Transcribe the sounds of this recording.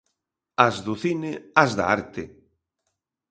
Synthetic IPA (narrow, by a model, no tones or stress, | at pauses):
azðuθinɪazða̰a̰ɾt̪ɪ